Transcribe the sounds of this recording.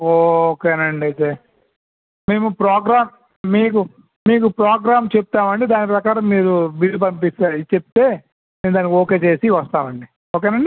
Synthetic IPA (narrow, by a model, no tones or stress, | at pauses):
oːkeːnɐɳɖɐt̪eː | me̞ːmupɾaːɡɾaːm | miːku | miːk̬upɾaːɡɾaːmt͡ʃep̚t̪aːmɐɳɖid̪aːnipɾɐkaːɾɐmːiːɾubid̪ip̬ɐmpist̪at͡ʃep̚t̪e̞ː | meːɾd̪aːnikoːke̞ːt͡ʃe̞ːsiʋɐst̪aːmɐɳɖi | oːk̬eːnɐɳɖi